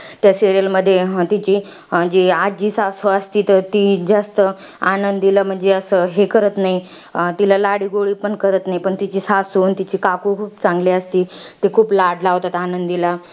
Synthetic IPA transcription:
t̪jasiɾijəlməd̪ʱːjet̪it͡ɕiː | məd͡ʑead͡ʑiːsasoəst̪iːt̪ət̪iːd͡zast̪ə | anənd̪iləm̤əɳd͡zeəsəɦekəɾət̪naɦi | t̪ilalaɽiːɡoɭiːpəɳkəɾət̪naɦipəɳt̪it͡ɕiːsasont̪it͡ɕiːkakukʰuːpt͡saŋɡliəst̪iːt̪ekʰuːplaɽlaɦot̪at̪anənd̪ila

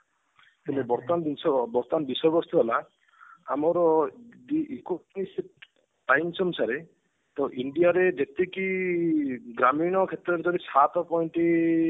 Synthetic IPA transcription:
t̪umebɔɾt̪and̪insʰɔbɔɾt̪anbisɔbɔst̪ʰɔɦela | a̰mɔɾɔdiikomis | pajnsʰɔmsʰaɾe | t̪ɔʔiɳɖijaɾed͡ʒet̪eki | ɡɾamiñɔkʰet̪ɾɔɾed͡ʒ̪ɔɾisʰat̪ɔpɔjɳʈi

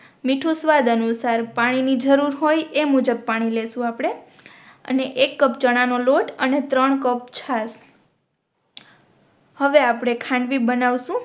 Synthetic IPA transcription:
miʈʰusʋad̪ənusaɾpaɽ̃inid͡ʒəɾuɾɦojemud͡ʒəb̚paɽ̃ilesũapɽ̃e | ə̰neʔekːəpt͡ʃəɽ̃anoloʈənet̪ɾəɳkəp̚t͡ʃʰas | həʋeapɽ̃ekʰãɳɖʋibənaʋʃũ

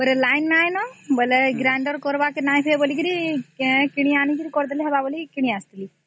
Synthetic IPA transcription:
bəɾelaːjnːaːjnɔbəleɡɾaːɳɖəɾkɔɾʋakenaːjpʰebəliɡiɾi | kiɽ̃iaːnikiɾikɔɾd̪ɐliɦɐbabəlikiɽ̃iast̪ili

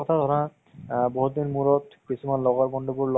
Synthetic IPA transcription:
ɔt̪ʰad̪ʱɔɾa | bɔɦut̪ːinmuɾɔt̪kisʰimanlɔɡaɾbɔnɖobuɾl

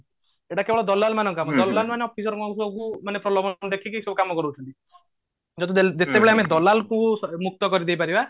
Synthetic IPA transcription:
eʈakebɔɭɔd̪ɔlalmanɔ̃ŋkamɔd̪ɔlːalmaneɔpʰisɔɾɔkɔ̃kusɔbkumanepɾɔlɔbɔnɔd̪ekʰikisɔbɔkamɔkɔɾuːt͡ʃʰɔnt̪i | d͡ʒɔd̪ied͡ʒet̪ebeɭeamed̪ɔlalkũmuk̚t̪ɔkɔɾid̪ejpaɾiba

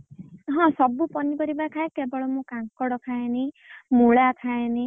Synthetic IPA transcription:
ɦɔ̃sɔbupɔnipɔɾibakʰaekebɔɭɔmũkãŋkɔɽɔkʰajni | muɭakʰajni

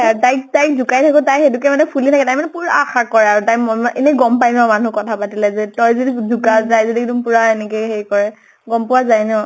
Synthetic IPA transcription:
aɹtajk̚tajk̚dʱukajtʰakʊtajxedukɛmanɛpʰulitʰakɛtajmanɛpuɹaaxakɔɹɛaɹutajmɔmaʔenɛɡɔmpajmamanukɔtʰapatilɛzɛtɔjzodidukazajzodidumpuɹaenɛkɛxeɹikɔɹɛ | ɡɔmpʊwazajnɛʊ

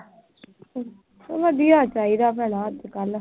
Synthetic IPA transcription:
ʋəd̪ijaːt͡ʃaːiːd̪aːpɛːɽaːt̪kəl

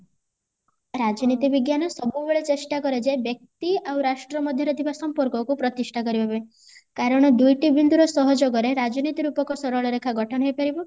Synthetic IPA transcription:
ɾad͡ʒɔnit̪ibiɡjanɔsɔbubeɭet͡ʃesʈakɔɾed͡ʒebjɔk̚t̪iawɾasʈɾɔmɔd̪ʱjɔɾɔt̪ʰibasɔmpɔɾkɔkupɾɔt̪isʈʰakɔɾibɔbe | kaɾɔɽ̃ɔd̪ujʈibind̪uɾɔsɔɦɔd͡ʒoɡɔɾeɾad͡ʒɔnit̪iɾupɔkɔsɔɾɔɭɔɾekʰaɡʱɔʈʰɔnɔɦejpaɾibɔ

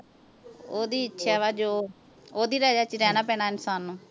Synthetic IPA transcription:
oːd̪iːɪtːʃʰɛːʋaːd͡ʒoː | oːd̪iːɾaːd͡ʒaːt͡ʃɾɛːnaːpɛːɽaːɪnsaːnːũː

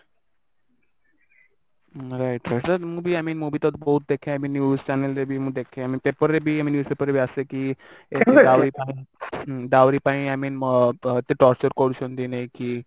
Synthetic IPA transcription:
ɾaɪʈɾaʈəɾməbʱiajmiːnmubʱit̪ɔt̪bəɦut̪̚d̪ekʰẽamiːnjuːzt͡ɕanəlɾebʱiːməd̪ekʰẽamiːpepəɾebʱiːamĩːnjuːspepəɾebʱiasekieɖaʋɾipaiɖaʋɾipaĩajmĩːnmət̪eʈɔɾt͡ɕəɾkoɽuɕʰənd̪inaiki

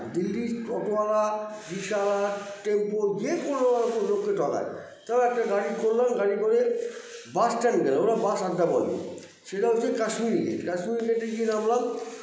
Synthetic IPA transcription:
d̪ilːiɔt̪oalaɡiʃalaʈempoɡiekoɾlolaɾkonlokːeʈɔka̰j | t̪aaɛk̚ʈaɡaɽikoɾlanɡaɽikoɾe | basʈɛnɡɛlaoɾabasad̪ːapɔɡḭ | ʃeʈaɦot͡ɕʰekaʃmiɾkḛʈkaʃmiɾkeʈeɾkinamlan

